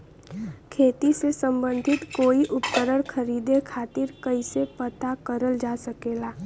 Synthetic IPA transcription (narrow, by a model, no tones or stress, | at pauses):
kʰeːt̪isesə̃mbə̃nd̪ʱɪt̪koːiʔʊpkəɾəɽ̃kʰəɾiːd̪ekʰaːt̪ɪɾkəisepət̪akəɾəld͡ʒaːsəkeːlaː